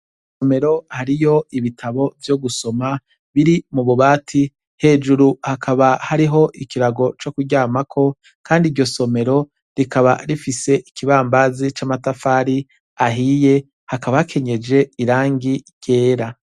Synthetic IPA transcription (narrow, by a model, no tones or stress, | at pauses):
ssome̞ɾo̞haɾijo̞iβitʰaβo̞vjoɡuso̞ma | βiɾimuβuβaːtʰi | he̞ːd͡ʒuɾuhakʰaβahaɾiɦo̞ʔikiɾaɡo̞t͡ʃo̞kuɟaːmakʰo̞ | kʰaːndiɾjo̞so̞me̞ɾo̞ | ɾikaβa̰ɾifise̞ʔikiβaːmbazit͡ʃamatafaːɾi | aɦije̞ | hakaβaakʰe̞ɲe̞d͡ʒe̞iɾaːŋɡiɟje̞ːɾa